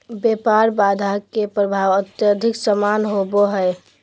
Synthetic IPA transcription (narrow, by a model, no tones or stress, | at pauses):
bepaɾbad̪ʱakepɾəbʱaʋət̪jəd̪ʱɪksəmanɦoboɦəe